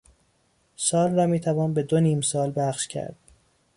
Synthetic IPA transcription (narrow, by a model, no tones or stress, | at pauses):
sɒːlrɒːmiːt̪ʰævɒːnbe̞d̪oniːmsɒːlbæχʃcʰæ̰ɾd̪̥̚